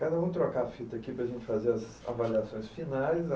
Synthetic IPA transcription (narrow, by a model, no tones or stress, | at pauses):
kad̪ɐũt̪ɾokafit̪ɐkipɾɐʒẽnt͡ʃɪ̥fazeɾɐz | a̰valiasõj̃sfinajz